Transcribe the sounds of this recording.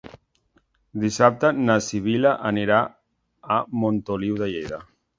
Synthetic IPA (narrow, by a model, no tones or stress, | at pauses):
d̪isap̚t̪anasiβilaʔaniɾaː | mont̪oliwðaʎeða